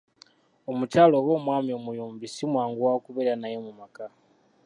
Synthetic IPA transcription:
omut͡ʃalowoːmwaːmiomujuːmbisimwaːŋɡuwakuβeanajemumaka

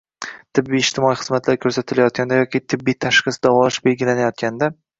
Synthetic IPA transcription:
t̪ʰɪbːijːd͡ʒt̪ʰɪmɒiχɨzmat̪ʰlaɾkʰɵɾsat̪ʰɪlajɒt̪̚ɡʲʰand̪ajɒkʲʰit̪ʰɪbːijt̪ʰaʃχɨsd̪ɒvɒʃbe̞lɡʲɪlanajɒt̪̚kʲand̪a

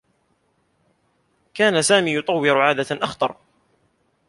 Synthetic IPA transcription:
kaːnasaːmiːjʊt̪ˤɑwːɪɾʊʕaːd̪aʔaxt̪ˤɑ̰ɾˤ

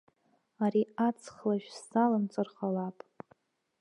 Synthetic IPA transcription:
aɾiat͡sʰχlaʒᶣstalamt͡sʼɨrχalapʼ

